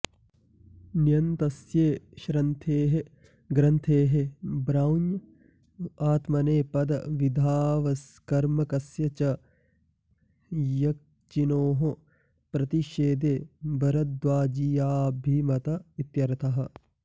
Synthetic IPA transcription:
nijɐnt̪ɐsjeːʃɾɐnt̪ʰeːɦe | ɡɾɐnt̪ʰeːɦebɾawnj | aːt̪mɐneːpɐd̪ɐʋid̪ʱaːʋɐskɐɾmɐkɐsjɐt͡ʃɐ | jɐk̚ | t͡ʃinoːɦo | pɾɐt̪iʃeːd̪eːbɐɾɐd̪ʋaːd͡ʒijaːbʱiːmɐt̪ɐit̪jɐɾɐt̪ʰɐɦɐ̆

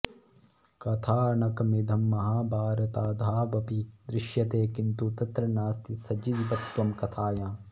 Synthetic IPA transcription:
kɐt̪ʰaːɐnɐkɐmid̪ʱɐmːɐɦaːbʱaːɾɐt̪aːd̪ʱaːbɐpid̪ɾɪʃjɐt̪eːkint̪ut̪ɐt̪ɾɐnaːst̪isɐd͡ʒid̪bɐt̪ʋɐmkɐt̪ʰaːjãː

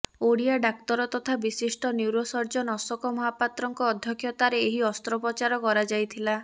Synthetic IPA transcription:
oɽiaɖak̚t̪ɔɾɔt̪ɔt̪ʰabisisʈɔnuwɾɔsɔɾd͡ʒɔnɔsɔkɔmɔɦapat̪ɾɔŋkɔːd̪ʱjɔkʰːjɔt̪aɾeeɦiɔst̪ɾɔpɔt͡ʃaɾɔkɔɾad͡ʒajt̪ʰila

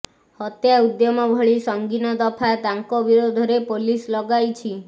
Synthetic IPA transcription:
hət̪jaud̪jɔmãbʱəɭisɔŋɡinɔd̪əpʰad̪aŋkobiɾod̪ʱɾepolislɔɡajt͡ʃʰi

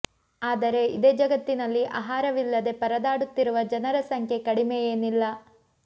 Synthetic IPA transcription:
aːd̪ɐɾe̞id̪eːd͡ʒɐɡɐt̪ːinɐlːiʔa̰ːɦaːɾɐʋilːɐd̪e̞pɐɾɐd̪aːɽut̪ːiɾuʋɐd͡ʒɐnɐɾɐsɐŋkʰjekɐɽimejeːnilːɐ

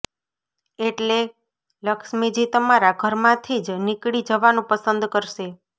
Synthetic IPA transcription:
eʈle | ləkʃmed͡ʒit̪əmaɾaɡʱəɾmãt̪ʰid͡ʒnikɽid͡ʒəʋanũpəsənd̪kəɾʃe

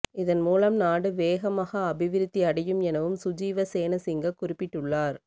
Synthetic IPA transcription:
ɪðɐnmuːlɐmnaːɽɯʋeːɣɐmaːɣɐːbɪʋɪɾɯt̪ːiɐɽɐjɯmɛnɐʋɯmsʊd͡ʒiːʋɐseːnɐsɪŋɡɐkːʊrɪpːɪʈːɯɭːaːɾ

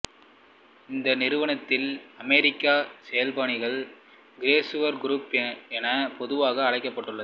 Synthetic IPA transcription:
ɪnd̪ɐnɪɾɯʋɐɳɐt̪ːɪlɐmeɾɪkːaːsɛjɐlbaːɳɪɣɐɭ | ɡɪɾeːsɯʋɐɾɡɪɾuːpɛnɐpɔðɯʋaːɣɐːɻɐɪkːɐpːɐʈːɯɭːɐð

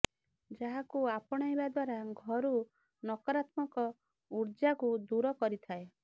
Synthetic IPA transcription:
d͡ʒaɦakuapɔɽ̃ɔibad̪waɾaɡʱɔɾu | nɔkɔɾat̪mɔkɔ | uɾd͡ʒakud̪uɾɔkɔɾit̪ʰae

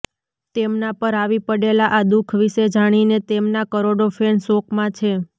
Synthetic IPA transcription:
t̪emnapəɾaʋipəɽelaʔad̪ukʰʋiʃed͡ʒaɽ̃inet̪emnakəɾoɖofensokʰmãt͡ʃʰe

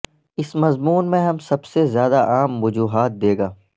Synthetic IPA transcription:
ɪsmɐzmuːnmẽɦɐmsɐbsezjaːd̪aʔaːmʋʊd͡ʒuːɦaːt̪̚d̪eːɡaː

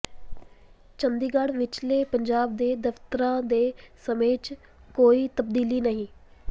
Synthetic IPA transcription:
t͡ʃənd̪iːɡaɽʋɪt͡ʃleːpəɲd͡ʒaːb̚d̪eːd̪əft̪əɾãːd̪eːsəmeːt͡ʃ | koːiːt̪əb̚d̪iːliːnəɦĩː

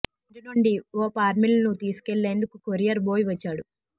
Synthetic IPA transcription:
iɖinuɳɖioːpaːɾmilnut̪iːsu̥keɭːe̞ːnd̪ukukoɾijɐɾboːjiʋɐt͡ʃːaːɽu

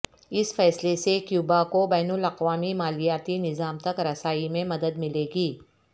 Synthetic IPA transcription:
ɪsfɛːslesekjuːbakobɛːnʊlɐqʋaːmimaːlijaːt̪inɪzaːmt̪ɐkɾɐsaːimẽmɐd̪əd̪mɪleːɡiː

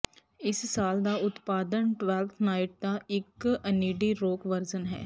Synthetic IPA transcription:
ɪssaːld̪aːʊt̪paːd̪ənʈʋɛːlt̪ʰnaːɪʈ̚d̪aːɪkəniːɖiːɾoːkʋəɾzənɦɛ̰ː

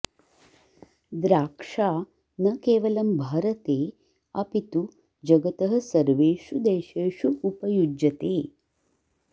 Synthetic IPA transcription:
d̪ɾaːkʂaː | nɐkeːʋɐlɐmbʱaːɾɐt̪eː | ɐpit̪u | d͡ʒɐɡɐt̪ɐɦɐ̆sɐɾʋeːʂud̪eːʃeːʂuːpɐjud͡ʒɐt̪eː

